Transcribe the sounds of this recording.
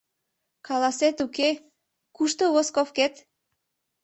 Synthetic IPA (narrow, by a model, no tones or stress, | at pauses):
kɑlɑset̪uke | kuʃt̪oβoskofket̪